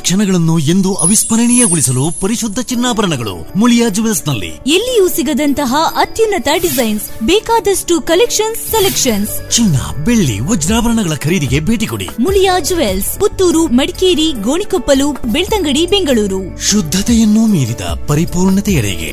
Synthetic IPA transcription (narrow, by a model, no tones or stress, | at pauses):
kʂɐnɐɡɐɭɐnːue̞nd̪uʔɐʋispɐɾɐɳijɐɡuɭisɐlupɐɾiʃud̪ʱːɐt͡ʃinːaːbɐɾɐɳɐɡɐɭṵmuljaːd͡ʒuʋelsnɐlːḭelːijusiɡɐd̪ɐnt̪ɐɦɐʔɐt̪junːɐt̪ɐɖizɐjnsbɛːkaːd̪ɐsʈukɐlekʂɐnsːelekʂɐnst͡ʃinːɐ̰beɭːḭʋɔd͡ʒɾaːbɐɾɐɳɐɡɐɭɐkʰɐɾiːd̪iɡe̞bʱeːʈiko̰ɽḭmuljaːd͡ʒuʋelsput̪ːuːɾumɐɽikeːɾiɡoːɳikopːɐluːpbeɭt̪ɐŋɡɐɽibeŋɡɐɭuːɾu | ʃud̪ʱːɐt̪ɛjɐnːumiːɾid̪ɐ̰pɐɾipuːɾɳɐt̪ɛjɐɽɛ̰ɡḛ